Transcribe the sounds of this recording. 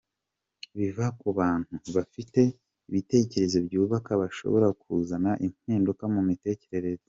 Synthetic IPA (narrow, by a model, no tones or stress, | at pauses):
βivakuβaːn̥huβafite̞ | iβite̞ːce̞ɾe̞zo̞bɟuːβakaβaʃo̞̰βo̞ɾakʰuzanaʔim̥hiːndukamumite̞ːce̞ɾe̞ɾe̞ze